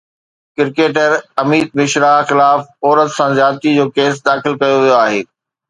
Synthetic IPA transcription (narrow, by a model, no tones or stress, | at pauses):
kɪɾkeːʈ̬əɾɐmiːd̪̚mɪʃɾaːxɪlaːfɔːɾət̪sãzjaːt̪id͡ʑoːkeːs̬d̪aːxɪlkɐjoʋijoaːɦḛː